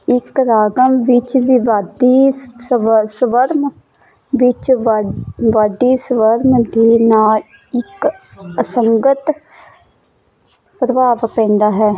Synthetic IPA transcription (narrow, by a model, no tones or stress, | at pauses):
ɪkɾaːɡəmʋɪt͡ʃʋɪʋaːd̪iː | səʋəɾm | ʋɪt͡ʃ | ʋaːd̪iːsəʋəɾmd̪eːnaːl | ɪkəsəŋɡət̪ | pɾəbaːʋkɛ̃ːnd̪aːɦɛː